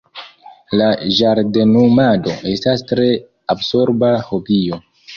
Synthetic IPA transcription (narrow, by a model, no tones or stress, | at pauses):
laʒaɾdenumado̞e̞stastɾe̞ | abso̞ɾbaho̞bio̞